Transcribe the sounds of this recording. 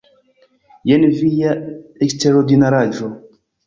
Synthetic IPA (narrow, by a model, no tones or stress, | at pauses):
jɛnvijaekst̪eɾod̪inaɾad͡ʒo